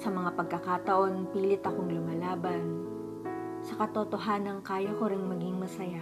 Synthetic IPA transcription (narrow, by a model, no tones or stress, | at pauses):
sɐmɐŋapɐɡ̚kɐkat̪ɐʔo̞npiːlɪt̪ɐkoŋlʊmalaːbɐn | sɐkɐt̪ot̪o̞ɦaːnɐŋkaːjɐko̞ɾɪŋmɐɡɪŋmɐsɐja